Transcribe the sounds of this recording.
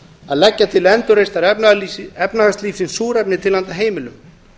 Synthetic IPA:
a̰ðlɛcːat̪ʰɪlɛnt̪ʏɾejst̪aɾiɛpnaɣast̪liːfsɪnsuːɾɛpnɪt̪ʰɪlant̪aɦeːjmɪlʏm

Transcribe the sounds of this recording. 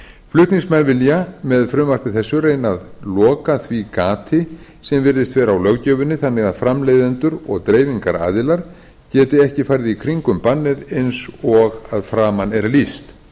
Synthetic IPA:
flʏht̪niŋsmɛnvɪljamɛðfɾʏmvar̥pɪθɛsːʏreːjnaðlɔːkaθvikaːt̪ʰɪ | sɛmvɪɾðɪst̪vɛːɾawlœɣcœːvʏnːɪθanːɪɣaðfɾamleːjðɪnt̪ʏɾɔɣt̪ɾeːjviŋkaɾa̰ːðɪlaɾ̥ | cɛːt̪ɪɛhcɪfajɾðɪikʰɾiŋkʏmpanːɪɾejnsɔɣaðfɾaːmanɛɾlist̪

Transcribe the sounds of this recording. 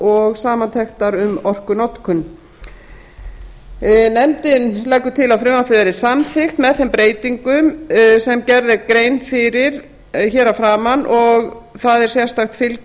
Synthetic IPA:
ɔɣsaːmant̪ʰɛxt̪aɾʏmɔr̥kʏnɔt̪kʰʏn | nɛmt̪ɪnlɛkːʏ̥t̪ʰɪlawfɾɪːwmaθɪðvɛɾðɪsamθɪxt̪mɛðθɛmpɾeːjt̪iŋkʏmsɛmcɛɾðɪɾkɾeːjnfɪɾɪɾ̥ | çɛːɾafɾaːmanʔɔɣθaðɛɾ̥sjɛ̥st̪axt̪fɪl

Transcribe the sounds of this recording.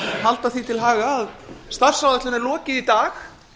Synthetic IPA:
ɦalt̪aθit̪ʰɪlɦaːɣaːðst̪ar̥sawðɛht̪lʏnɛɾlɔːcɪðit̪aːx

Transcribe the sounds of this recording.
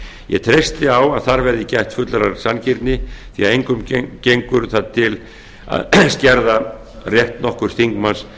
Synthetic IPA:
jɛ̰t̪ʰɾejst̪ɪawaðθaɾvɛɾðɪcajht̪fʏt̪laɾaɾ̥sanciɾt̪nɪθiaðejŋkʏmcejŋkʏɾθaðt̪ʰɪl | a̰ðscɛɾða | rjɛht̪nɔhkʏɾ̥θiŋkmans

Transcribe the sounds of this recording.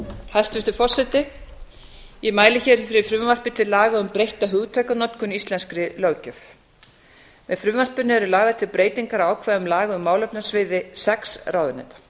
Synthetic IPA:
hast̪vɪst̪ʏɾfɔr̥sɛt̪ɪ | jɛmaːjlɪçɛɾ̥fɪɾɪfɾʏmvar̥pɪt̪ʰɪlːaːɣaʏmpɾejht̪aɦʏɣt̪ʰajkanɔt̪kʰʏnist̪lɛnskɾɪlœːcœf | mɛðfɾʏmvar̥pʏnɪɛɾʏlaːɣðat̪ʰɪlpɾeːjt̪iŋkaɾaːwkʰvaːðʏmlaːɣaʏmːaːwlœpnasvɪːðɪsɛksɾawðʏnɛ̰jt̪ḁ

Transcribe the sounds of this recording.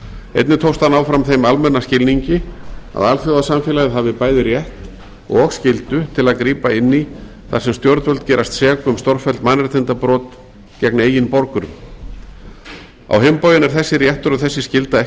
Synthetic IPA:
ḛjt̪nɪt̪ʰowst̪hanawfɾamθejmalmɛnːascɪlniɲcɪa̰ðalθjowðasamfɛːlaɣðɦavɪpaːjðɪrjɛht̪ | ɔ̰ɣɔxscɪlt̪ʏt̪ʰɪlaðkɾiːpaɪnːi | θaɾ̥sɛmst̪jɔɾt̪vœlt̪̚cɛːɾast̪sɛːkʏmst̪ɔɾ̥fɛlt̪manːrɛt̪ʰɪnt̪apɾɔːt̪ | cɛkneːjɪnpɔɾkʏɾʏm | a̰wɦempaːjðʏnɛɾ̥θɛsːɪɾjɛht̪ʏɾɔθɛsːɪscɪlt̪aɛ

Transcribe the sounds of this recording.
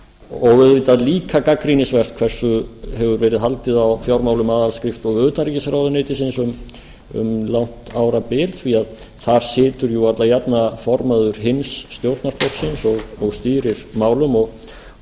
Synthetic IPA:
ɔɣvɪðvit̪aðliːkʰakakɾinɪsvɛr̥t̪̚kʰv̥ɛr̥sʏhɛvʏɾvɛːɾɪðɦalt̪ɪðawfjawɾmaːwlʏmaːðalskɾɪft̪ɔɣʏðt̪naricɪsɾawðʏnɪːt̪ɪsɪnsʏm | ʏ̰mlawn̥t̪aːwɾapɪːlθviað | θaɾ̥sɪːt̪ʏɾjuat̪lajapnafɔɾmaðʏɾ̥ɦɪnsːt̪jowɾt̪naɾ̥flɔwksɪnsɔɣɔɣst̪iːɾɪɾ̥maːwlʏmɔɣ

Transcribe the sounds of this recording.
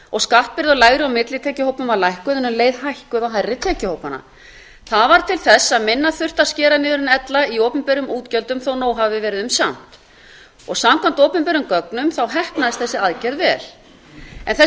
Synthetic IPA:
ɔɣskaht̪̚pɪɾðɔlajɣɾɪamɪt̪lɪt̪ʰɛːcɪhowpʏmvaɾlajhkʏðɪnʏmleːjðhajhkʏðaɦajrːɪt̪ʰɛːcɪhoːwpana̰ | θaðvaɾ̥t̪ʰɪlθɛsːaðmɪnːaθʏr̥t̪ascɛːɾanɪːðʏɾɪnɛt̪laioːpʏmpɛɾʏmʔuːt̪cœlt̪ʏmθownoːwɦavvɪvɛːɾɪðʏmsam̥t̪ | ɔɣsamkʰwam̥t̪owpʏmpɛɾʏmkœknʏmθawɦɛhpnaðɪst̪θɛsːɪaðcɛɾðvɛːl̥ | ɛ̰nθɛ

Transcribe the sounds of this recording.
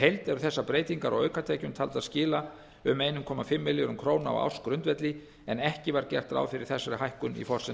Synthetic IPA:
ejlt̪ɛɾʏθɛsːapɾeːjt̪iŋkaɾa̰wœɥkat̪ʰɛːcʏmt̪ʰalt̪aðscɪːla | ʏmeːjnʏmkʰɔːmafɪmːɪljʏɾʏmkʰɾoːwnaa̰wa̰wskɾʏnt̪vɛt̪lɪ | ɛnɛhcɪvaɾcɛ̰r̥t̪ɾa̰wfɪɾɪɾ̥θɛsːaɾʏɦajhkʏnḭfɔr̥sɪ

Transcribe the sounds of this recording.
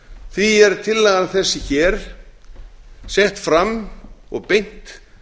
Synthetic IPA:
θiɛɾt̪ʰɪlːɛɣanθɛsːɪçɛːɾ̥ | sɛht̪fɾamɔ̰ɣpejn̥t̪

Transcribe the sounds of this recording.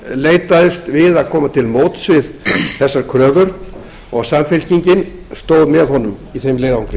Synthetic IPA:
leːjt̪aðɪst̪vɪðaðkʰɔːmat̪ʰɪlmoːwt̪svɪðθɛsːaɾ̥kʰɾœːvœɾn | ɔɣsamfɛl̥ciɲcɪn | st̪oːwðmɛðɦɔnʏmiθejmlejðaawŋkɾɪ

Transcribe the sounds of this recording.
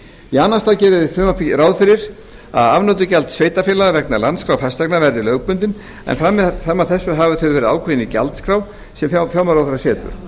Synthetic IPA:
ianːast̪aːwcɛːɾðɪðɪfʏmafɾaːwðfɪɾɪɾ̥ | a̰ðavnœːt̪ʏcalt̪sveːjt̪afɪːlavɛknalant̪skʰɾawfast̪ɛknavɛɾðɪlœːɣpʏnt̪ɪn | ɛ̰nfɾamːɛθamːaðθɛsːʏɦavʏθʰœːvvɛːɾɪða̰ːwkʰvejɪnica̰lt̪kʰɾaw | sɛmffjaːwmaɾawθaɾasɛːt̪ʏ̰

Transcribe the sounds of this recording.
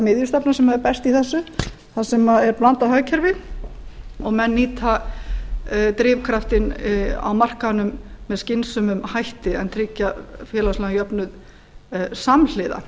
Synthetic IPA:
mɪðjʏst̪apnasɛmaðɛɾpɛst̪iθɛsːʏ | θasɛmaðɛɾplant̪ahœɥcʰɛɾvɪ | ɔɣmɛnːiːt̪ʰa | t̪ɾɪːvkʰɾaft̪ɪna̰wmar̥kanʏmːɛðscɪnsʏmʏmhajht̪ɪɛ̰nt̪ʰɾɪcːafjɛːlaslɛɣajœpnʏð | saml̥ɪːða̰

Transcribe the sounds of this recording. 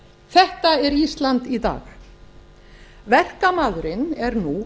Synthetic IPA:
θɛht̪aɛɾist̪lant̪it̪a̰ːx | vɛr̥kamaðɾɪnɛɾnu

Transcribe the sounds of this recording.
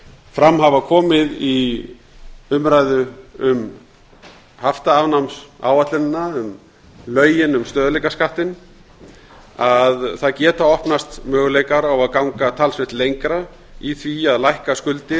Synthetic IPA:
fɾamɦavakʰɔːmɪði | ʏmɾajðʏʏm | haft̪aːvnamsa̰ːwat̪lɪnɪnːaʏm | lœːɥjɪnʏmst̪œːðlejkaskaht̪ɪn | aðθaðcɛːt̪aɔhpnast̪mœːɣlejkaɾawaðkawŋkat̪ʰalsvɪht̪lejŋkɾa | iθviaðlajhkaskʏlt̪ɪ

